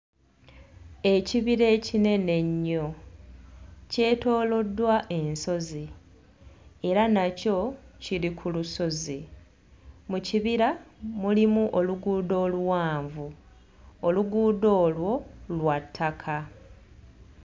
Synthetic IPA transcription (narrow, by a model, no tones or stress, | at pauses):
e̞ciβiɾe̞ːcine̞ne̞ɲːo̞ | ce̞ːto̞ːlo̞dːwaʔe̞nso̞zi | e̞ɾanaco̞cilikʰuluso̞zi | muciβiɾamulimuʔoluɡuːdo̞ːluwaːɱvu | oluɡuːdo̞ːlwo̞lwatʰːakʰa